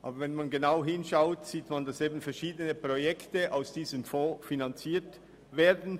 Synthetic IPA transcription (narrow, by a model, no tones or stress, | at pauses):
ʔa̰ːbɐvɛnmanɡenaʊɦɪnʃaʊtsiːtmandaseːbn̩fɛɐʃiːdənəpʁ̥ojɛktəʔaʊsd̥iːzəmfoːfinant͡siːt | veːɐdn̩